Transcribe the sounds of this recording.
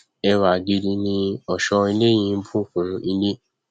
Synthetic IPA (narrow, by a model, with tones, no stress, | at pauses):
ɛ˧wa˨ɡi˧di˧nĩ˧ɔ˨ʃɔ˧i˧le˦j̃ĩ˧n̩˦bʰu˦˨fũ˨˧i˧ne˦